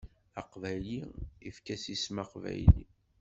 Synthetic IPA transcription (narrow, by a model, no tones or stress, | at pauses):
ɑqvæjliifkæsismæqvæ̰jlḭ